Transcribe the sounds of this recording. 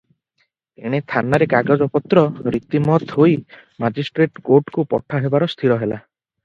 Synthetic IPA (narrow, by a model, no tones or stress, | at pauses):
ḛɽ̃et̪ʰanaɾekaɡad͡ʒɔpɔt̪ɾɔɾit̪imɔt̪ʰɦojmad͡ʒisʈɾeʈkoʈkupɔ̰ʈʰaɦebaɾɔst̪ʰiɾɔɦela̰